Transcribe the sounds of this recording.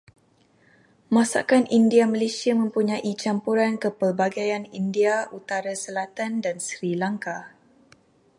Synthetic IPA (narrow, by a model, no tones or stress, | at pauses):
mãsa̰kanindiaməlesiamə̃mpuɲãʔit͡ʃampuɾankəpərbaɡajanindiaʔut̪aɾasəlat̪andansɾilaŋka